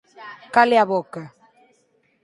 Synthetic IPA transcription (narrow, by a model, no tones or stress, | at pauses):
kaleaβɔka